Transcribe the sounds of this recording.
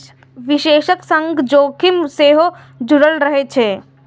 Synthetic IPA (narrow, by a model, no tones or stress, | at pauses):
ʋɪʃeːʃəksɐ̃ŋɡd͡ʒoːkʰɪmseːɦo | d͡ʒʊɽəlɾəɦet͡ʃʰeː